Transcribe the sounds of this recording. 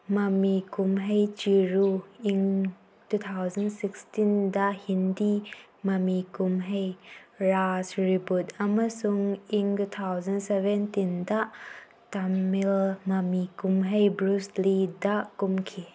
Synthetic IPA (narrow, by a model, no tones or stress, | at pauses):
mamikumɦejt͡ʃiɾuiŋ | tut̪ʰawzɐnsikstindaʔhindi | mamikumɦejɹasɹibut̚amasuŋiŋtut̪ʰawzɐnsɛvɛntindaʔ | tamilmamikumɦejbɾuslidaʔkumkʰi